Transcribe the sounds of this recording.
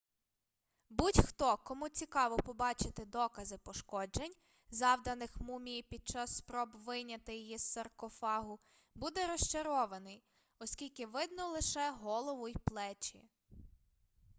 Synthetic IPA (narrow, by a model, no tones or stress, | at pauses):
butʲxt̪ɔkɔmut͡sʲikɑʋɔpɔbɑt͡ʃɪt̪ɪd̪ɔkɐzɪpɔʃkɔd͡ʒenʲ | zɑwd̪ɐnɪxmumʲijipʲid̪̚t͡ʃɑsːpɾɔbʋɪjnʲɐt̪ɪjijisɐrkɔfɑɦʊ | bud̪ɛɾɔʃt͡ʃɐɾɔʋɐnɪj | ɔskʲilʲkɪʋɪd̪nɔlˠɪʃɛɦɔlˠɔʋʊjplˠɛt͡ʃḭ